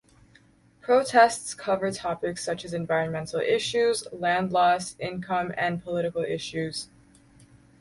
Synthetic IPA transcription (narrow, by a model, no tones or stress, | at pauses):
pʰɹ̥oʊtʰɛstskʰʌvə˞tʰɑpɨksʌt͡ʃɨzɨ̃nvaɪɹɨ̃nmɛ̃ntʰˡl̩ˠɪʃʉzlæ̃ndˡlɔsɪ̃nkʰʌ̃mɨ̃npʰəlɪɾɨkl̩ˠɪʃʉz̥